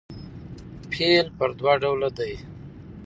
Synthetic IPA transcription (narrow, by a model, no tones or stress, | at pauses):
pʰelpəɾd̪waɖawlad̪aj